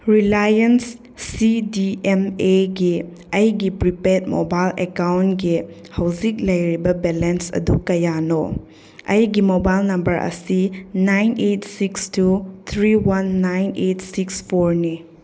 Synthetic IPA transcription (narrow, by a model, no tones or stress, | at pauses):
ɾilajensː | idiemeɡi | ɐjɡipɾipet̚mobajlḛkawntɡihɐwzik̚lɐjɾibɐbelensɐ̰dukɐjano | ɐjɡimobajlnɐmbɐɾʔɐ̰sinajnetsikstut̪ʰɾiwɐnːajnet̚sikspʰoɾni